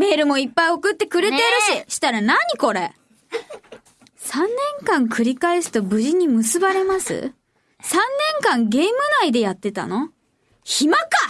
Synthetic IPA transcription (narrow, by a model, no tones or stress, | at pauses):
me̞ːɾɯ̟mo̞ipːaio̞kɯ̟t̪ːe̞kɯ̟ɾe̞t̪e̞ɾɯ̟ɕiɕi̥t̪aɾanaɲ̟iko̞ɾe̞ | sãnːẽ̞ŋkãŋkɯ̟ɾʲikaesɨ̥t̪o̞bɯ̟ʑiɲ̟imɯ̟sɨbaɾe̞masɨ̰ | sãnːẽ̞ŋkãŋɡe̞ːmɯ̟naid̪e̞jat̪ːe̞t̪a̰no̞ | çimaka